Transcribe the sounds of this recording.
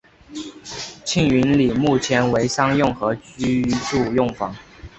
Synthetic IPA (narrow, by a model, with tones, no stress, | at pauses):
t͡ɕʰi˥˩ŋy˧˥nli˨˩mu˥˩t͡ɕʰjɛ˧˥nwe˧˥ɪsɑ˥ŋjʊ˥˩ŋxɤ˧˥y˥˧˥ʈ͡ʂu˥˧jʊ˥˩ŋfɑ˧˥˦ŋ